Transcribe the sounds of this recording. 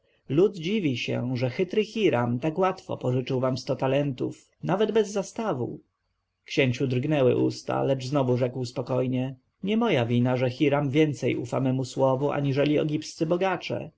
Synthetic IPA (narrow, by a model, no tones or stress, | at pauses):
lud̪d͡ʑivʲiɕɛ̰ʐɛxɘt̪ɾɘxʲiɾamt̪akwat̪fɔ̰pɔʐɘt͡ʂɘwvamst̪ɔt̪alɛnt̪uf | navɛd̪bɛzːast̪avṵ | kɕeɲt͡ɕud̪ɾɡnɛwɘ̰ʔṵst̪a̰lɛd͡ʐznɔvuʐɛkwspɔkɔjɲɛ | ɲɛmɔjavʲinaʐɛxʲiɾamvʲjɛnt̪sɛjʔufa̰mɛmuswɔvuʔa̰ɲiʐɛlʲiɔ̰ɡʲipst̪sɘbɔɡat͡ʂɛ̰